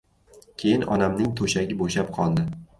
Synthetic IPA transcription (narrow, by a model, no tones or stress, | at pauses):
kʲʰe̞jɪnɒ̰namnɪŋt̪ʰoʃaɡʲɪboʃap̚qʰɒlˠd̪ɪ